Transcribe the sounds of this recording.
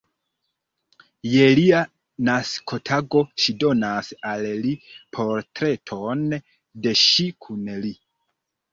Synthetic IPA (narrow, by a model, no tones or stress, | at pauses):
je̞lia | naskʰo̞tʰaɡo̞ʃido̞nasallipʰo̞ɾtɾe̞tʰo̞n | de̞ʃikʰunli